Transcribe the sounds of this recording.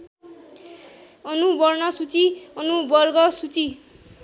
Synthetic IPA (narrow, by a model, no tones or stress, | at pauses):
ʌnubʌrnʌsut͡siʌnubʌrɡʌsut͡si